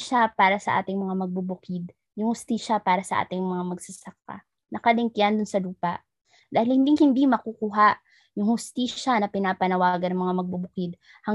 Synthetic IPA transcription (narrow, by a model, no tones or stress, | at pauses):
ʃapaːɾɐsɐʔa̰ːt̪ɪŋmɐŋamɐɡ̚bubʊkɪd̪̚ | jʊŋhʊst̪iːʃɐpaːɾɐsɐʔa̰ːt̪ɪŋmɐŋamɐɡsɐsɐk̚a̰ | nɐkɐlɪŋkɪjand̪ʊnsɐluːpɐʔ | d̪aːhɪlhɪnd̪iŋhɪnd̪imɐkukuːɦaʔ | jʊŋhʊst̪iːʃɐnɐpɪnaːpɐnɐwaːɡɐnɐŋmɐŋamɐɡ̚bʊbʊkɪd̪̚ | hɐ